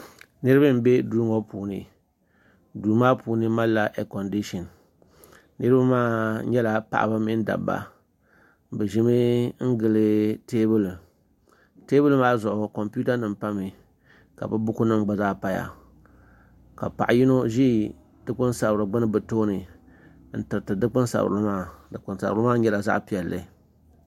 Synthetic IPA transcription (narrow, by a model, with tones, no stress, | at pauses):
nɨ˦ɾɨ˦bɨ˦m̩˨be˦duː˦ŋɔ˦puː˨nɨ˨ | duː˨maː˦puː˨nɨ˦ma˦la˦ʔɛ˨kɔ˨ndi˦ʃɔ˨n | nɨ˦ɾɨ˦ba˦maː˦ɲɛ˦la˨pa̰˨ʔa̰˨ba˦mɪ˦n˦da̰˨bːa̰˨ | bɨ˨ʒɪ˦mɨ˦ŋ̩˦ɡɨ˨lɨ˦teː˦bɨ˦l | te˦bɨ˦lɨ˦maː˦zʊ˨ʔʊ˨ko˨mpu˦ta˦nɨ˨mpa˦mɨ˨ | ka̰˨bɨ˦bʊ˦ku˦nɨ˦ŋ͡mɡ͡ba˨zaː˦pa˨ja̰˨ | ka˨pa̰˨ʔji˦no˦ʒi˦ | dɨ˦k͡pɨ˦nsa˨bɾɨ˨ɡ͡bɨ˦nɨ˦bɨ˨toː˦nɨ˨ | n̩˦tɨ˨ɾɨ˨tɨ˨dɨ˦k͡pnsa̰˨bɾɨ˦maː˦dɨ˨k͡pɨ˨nsa̰˨bɾɨ˦maː˦ɲɛ˦la˨za̰˦ʔpi˨ɛ˨lːɨ˨